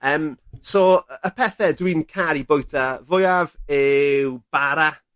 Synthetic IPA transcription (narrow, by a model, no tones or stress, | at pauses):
əːmsɔəpʰɛθɛdwinkʰaɾibojtʰavʊjavɪwb̥aɾa